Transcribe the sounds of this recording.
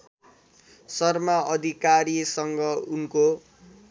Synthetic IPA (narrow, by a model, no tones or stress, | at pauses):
sʌrmaʌd̪ʱikaɾisʌŋɡʌunko